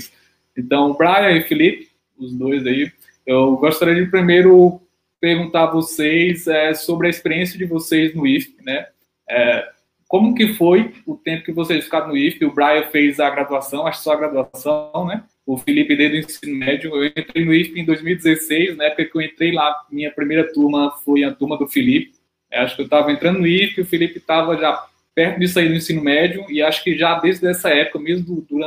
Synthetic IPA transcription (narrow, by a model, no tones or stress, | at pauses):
s | ẽt̪ɐ̃w̃ʊbɾajeifilipɪ̥ | ʊzd̪ojzai | ewɡɔʃt̪aɾiɐd͡ʒɪpɾimejɾʊ | peɾɡũt̪aɾvosejsɛsobɾɪɐispeɾiẽsijɐd͡ʒɪvosejznʊispɪnɛ | ɛ | kõmʊkɪfojʊt̪ẽpʊ̥kɪvosej̃fi̥kad̪ʊnʊispɪʊbɾajɛɾfejzɐɡɾad̪uasɐ̃w̃aʃʊksɔɐɡɾad̪uasɐ̃w̃nɛ | ʊfilipɪd̪ejd̪ʊẽsĩnʊmɛd͡ʒiʊewẽẽt̪ɾejnʊifɪẽd̪ojzmiwid̪ɪzesejsnɐɛpʊkɐkɪewẽnt̪ɾejlamĩɲɐpɾimejɾɐt̪uɾmɐfojɐt̪uɾmɐd̪ʊfilipɪ̥ | aʃʊ̥kɪewt̪avɐẽnt̪ɾɐ̃nd̪ʊnʊifɪʊfilipɪt̪avɐʒa | pɛɾt̪ʊd̪is̬ʊaid̪ʊẽsĩnʊmɛd͡ʒʊɪaʃʊ̥kɪʒad̪ẽzd̪ɛsɐɛpʊ̥kɐmezmʊdʊd̪uɾɐ̃